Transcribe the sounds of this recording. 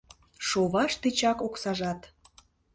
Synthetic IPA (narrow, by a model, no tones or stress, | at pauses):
ʃoβɑʃt̪et͡ɕɑkoksɑʒɑt̪